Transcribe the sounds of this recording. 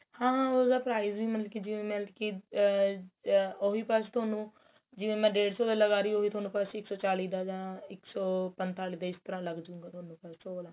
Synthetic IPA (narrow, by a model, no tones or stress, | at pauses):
hãːosd̪aːpɾaːizbiːmənlkid͡ʒɪʋẽːmɛ̃ːlkiː | oɦiːpaːst̪ʰʊaːnũː | d͡ʒɪʋẽːmɛ̃ːɖeːɽsɔːd̪aləɡaːɾiːoːɦiːt̪ʰoːnũːpaseɪksɔːt͡ʃaːliːd̪aːd͡ʒãːɪksɔːpənt̪aːliːd̪aːɪst̪əɾãːləɡd͡ʒũːŋɡaːt̪ʰoːnũːpassoːlaː